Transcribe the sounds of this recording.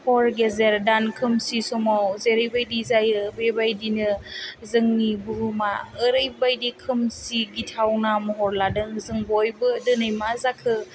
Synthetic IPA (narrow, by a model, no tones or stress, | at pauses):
pʰɔɾɡezeɾdankʰɯmsisɔmawzeɾɯjbajdizajɯbebajdinɯzɯŋnibuɾumaːɾɯjbajdikʰɯmsiɡitʰawnamɔɦɔɾladɯŋzɯŋbɔjbɯdɯnɯjmazakʰɯ